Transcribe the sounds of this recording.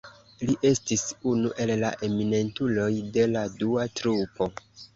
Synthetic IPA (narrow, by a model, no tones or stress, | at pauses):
liʔe̞stisunuʔe̞lːaʔe̞mine̞ntulo̞jde̞laduatɾupo̞